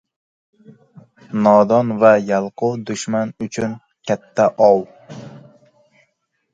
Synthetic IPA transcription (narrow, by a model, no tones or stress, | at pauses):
nɒd̪ɒnvajalˠqʊd̪ʊʃmanʊt͡ʃʰʊn | kʲʰat̪ʰːaʔɒw